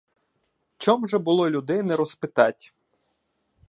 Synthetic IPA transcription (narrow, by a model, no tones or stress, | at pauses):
t͡ʃɔmʒɛbʊlˠɔlʲud̪ɪnɛɾɔspɪt̪ɑtʲ